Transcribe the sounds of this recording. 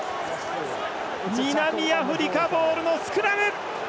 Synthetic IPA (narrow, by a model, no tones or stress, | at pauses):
ɲʲinamʲiaɸɯ̟ɾʲikaboːɾɯ̟nosɨ̥kɯɾabe